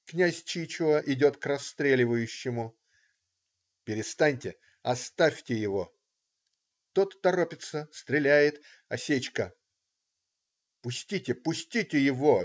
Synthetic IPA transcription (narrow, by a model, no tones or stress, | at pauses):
knʲæsʲt͡ɕit͡ɕʊəʔɪdʲo̞t̪krɐst̪ɾʲelʲɪvəjʉɕːɪmʊ | pʲɪɾʲɪst̪anʲtʲɪ | ɐst̪afʲtʲɪjɪvo̞ | t̪o̞t̪ːɐɾopʲɪt̪səst̪ɾʲɪlʲæjɪt̪ | ɐsʲet͡ɕkə | pʊsʲtʲitʲɪpʊsʲtʲitʲɪjɪvo̞